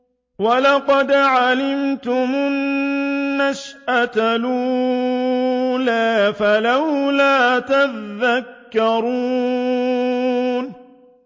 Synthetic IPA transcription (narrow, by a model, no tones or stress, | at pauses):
walɑqɑd̪ʕalɪmt̪ʊmʊnː | aʃʔat̪aluː | laːfalawlaːt̪aðːakːɑɾuː | n